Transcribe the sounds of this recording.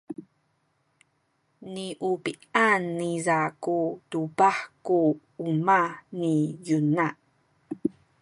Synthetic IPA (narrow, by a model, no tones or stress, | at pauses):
niʔupi | anːizakutubaħku | umanijuna